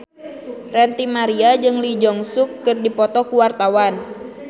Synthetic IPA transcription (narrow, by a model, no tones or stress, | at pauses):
rɛnt̪imaɾiad͡ʒɨŋlid͡ʒɔŋsʊkːɨrdipɔt̪ɔkuwart̪awan